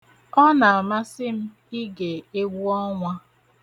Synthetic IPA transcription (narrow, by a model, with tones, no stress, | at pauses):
ɔ˦na˨a˨ma˦sɪ˦m̩˦ | i˦ɡe˨e˦ɡʷu˦ɔ˦ŋʷa˦